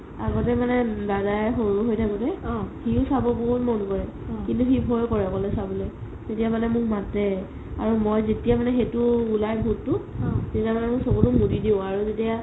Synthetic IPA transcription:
aɡɔtɛmanɛdadajxoɹuɦojtʰakɔtɛhiʊsabɔbʊtmɔnkɔɹɛ | kintuxibʱojkɔɹɛɔkɔlɛsabɔlɛ | tetijamanɛmʊk̚matɛ | a̰ɹumojzetijamanɛxetʊːlajbʱutːʊzetiamanɛmʊksokutʊmudidiʊ̃aɹuzetija

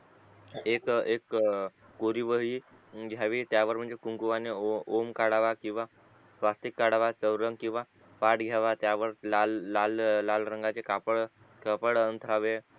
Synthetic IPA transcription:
ekekː | oɾiʋəɦiː | ɡʱjaʋiːt̪jaʋəɾm̤əɳd͡zekuŋkuʋaneomkaɽaʋakĩw̃ʋa | sʋast̪ikːaɽaʋat͡səwɾəŋɡkĩw̃ʋa | ʋaʈɡʱjaʋat̪jaʋəɾlalːalːalɾəŋɡat͡sekapəɽ | kəpəɽənt̪ʰɾaʋe

